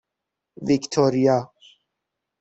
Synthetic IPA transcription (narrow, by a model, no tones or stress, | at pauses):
vikt̪ʰɔɾija